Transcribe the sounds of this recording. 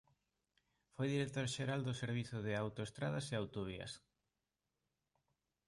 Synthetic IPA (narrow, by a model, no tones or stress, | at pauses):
fojðiɾek̚t̪oɾʃeɾald̪ʊseɾβ̞iθʊðɪawt̪oest̪ɾaðɐseawt̪oβ̞iɐ̰s